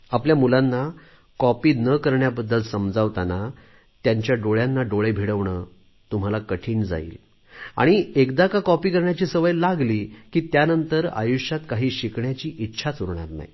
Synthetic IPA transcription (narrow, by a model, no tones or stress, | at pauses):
apljamulanːa | kɔpiːnəkəɾɳjabəd̪ːəlsəmd͡zaʋt̪ana | t̪jaɲt͡ɕjaɖoɭjanːaɖoɭebʱiɽəʋɳə | t̪um̤alakəʈʰiːnd͡za̰ḭːl | a̰ɽ̃iekd̪akakɔpiːkəɾɳjat͡ɕiːsəʋəjlaɡliːkiːt̪janənt̪əɾa̰juɕat̪kaɦiːɕikɳjat͡ɕiːʔitːɕʰat͡suɾɳ̃a̰ɾna̰ɦi